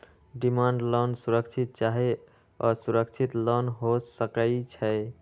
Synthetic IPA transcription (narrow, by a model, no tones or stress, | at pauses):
ɖimaɳɖlɔnsuɾəkt͡ʃʰit̪̚t͡ʃaɦe | ɔɾsuɾəkt͡ʃʰit̪lɔnɦosəkəɪt͡ʃʰɛɪ